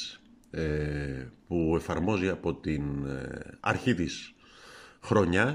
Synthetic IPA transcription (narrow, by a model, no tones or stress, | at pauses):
s | e | pue̞fɐɾmo̞ziɐpo̞t̪in | ɐ̰ɾçit̪is | xɾo̞ɲɐ